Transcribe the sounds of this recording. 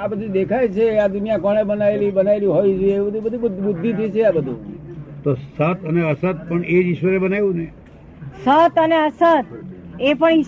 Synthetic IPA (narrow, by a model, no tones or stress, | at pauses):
apət͡ʃʰid̪ekʰajt͡ʃʰead̪unijakɔɳ̃ebənaelibənaelĩɦoid͡ʒoeeʋəd̪ʱibəd̪ʱib̪bʊd̪ʱːit̪ʰəjt͡ʃʰeabəd̪ʱṵ̃t̪osət̪əneəsət̪̚pəɳed͡ʒiʃʋəɾebənajʋũne | sət̪əneəsət̪epəɳi